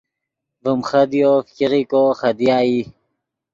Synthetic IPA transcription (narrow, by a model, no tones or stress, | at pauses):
vəmχɐd̪joːfkiʁikoːxɐd̪ijaːi